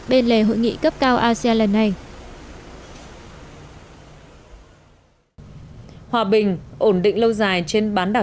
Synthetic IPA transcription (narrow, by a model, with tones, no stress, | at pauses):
ɓe˧nle˨˧˩ɦo̰˧˨jŋḭ˧˨kə˦˥p̚kaː˧wʔaː˧si˧aː˧lə˨˩nːa˨˩j | hwaː˨˩ɓï˨˩ŋ̟ʔo˧˩nɗḭ̈˧˨ŋ̟lə˧wzaː˨˩jt͡ɕe˧nɓaː˨˦nɗaː˨˩